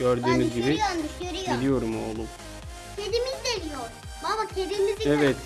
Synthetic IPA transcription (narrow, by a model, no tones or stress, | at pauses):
øɾd̪yːmyzɟibijand̪iʃoɾijbilʲijo̞ɾumolˠum | cʰed̪imid̪elʲijoɾ | babacʰed̪imizievɛt̪